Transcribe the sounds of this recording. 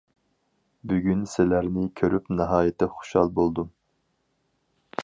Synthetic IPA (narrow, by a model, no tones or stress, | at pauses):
byɡʲynsɪlæɾnɪkʲʰøɾʔypnɨɦɑːjɪt̪ʰɪχo̥ʃhɑ̰lˠbolˠd̪um